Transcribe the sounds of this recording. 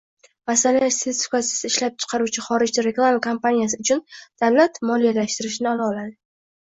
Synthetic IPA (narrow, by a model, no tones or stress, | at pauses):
masalaseskasɪ̥sɪɪʃlap̚t͡ʃʰɨ̥qʰɑɾuwt͡ʃʰɪχɒɾɪd͡ʒd̪aɾe̞klˠamakʰompanijasɪʊt͡ʃʰʊnd̪̥avlat̪mɒlijalaʃt̪ɪɾɪʃnɪalaɒlad̪ɪ